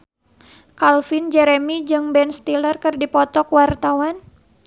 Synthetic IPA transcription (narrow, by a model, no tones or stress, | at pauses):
kalfind͡ʒɛɾemid͡ʒɨŋbɛnst̪ilərkɨrdipɔt̪ɔkwart̪awan